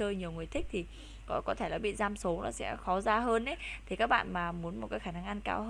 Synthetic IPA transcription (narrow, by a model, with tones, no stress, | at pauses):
əː˧jɲi˨˩əwŋɨ˨˩əjt̪ʰï˦˥k̚t̪ʰi˨˩ | kɔ˨˦kɔ˨˦t̪ʰe˧˩la˨˩ɓḭ˧˨zaː˧mso˨˦nɔ˨˦sɛ̰˧˥xɔ˨˦zaː˧ɦəː˧nʔe˨˦i˨˩kaː˦˥k̚ɓa̰ː˧˨nmaː˨˩mu˨˦ənmo˨˩kaː˨˦jxaː˧˩na˧ŋʔa˧nka̰ː˧whəː˧